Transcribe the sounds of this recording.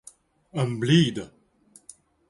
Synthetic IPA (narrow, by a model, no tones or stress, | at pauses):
əmbliːd̪ə